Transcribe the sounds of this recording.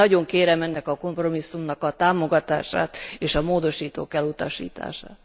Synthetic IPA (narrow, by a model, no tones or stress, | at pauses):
ɒɟo̞ŋkeːɾɛmɛnːɛkɒko̞mpro̞misːumnɒkɒt̪aːmo̞ɡɒt̪a̰ːʃa̰ːt̪eːʃɒmoːd̪o̞ʃiːt̪o̰ːkɛlut̪ɒʃḭːt̪a̰ːʃa̰ːt̪